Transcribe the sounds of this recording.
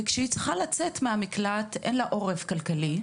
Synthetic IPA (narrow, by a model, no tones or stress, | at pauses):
kʃeit͡sʁχalat͡setmeamiklatʔḛnlaʔo̞ʁevkalkali